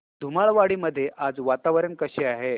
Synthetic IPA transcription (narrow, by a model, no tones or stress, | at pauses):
d̪ʱumaɭʋaɽiːməd̪ʱːjeʔʔad͡zʋat̪aʋɾənkəɕeaɦe